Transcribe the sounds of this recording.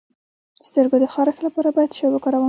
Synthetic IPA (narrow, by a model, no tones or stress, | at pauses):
st̪əɾɡod̪əxɑɾaxlapɑɾabɑjad̪ʃɑbakɑɾawə